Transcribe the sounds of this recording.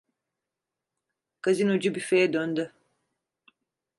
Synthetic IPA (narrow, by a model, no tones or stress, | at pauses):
kazinod͡ʒubifejɛd̪ønd̪y